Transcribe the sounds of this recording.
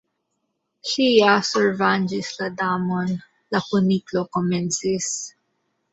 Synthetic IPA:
sijasɛɹvand͡ʒɪslɐd̪amɔn | lɐkʊniklokɔmɛnsis

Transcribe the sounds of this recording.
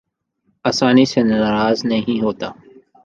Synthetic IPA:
aːsaːniːseːnəaɾaːznəɦĩːɦoːt̪aː

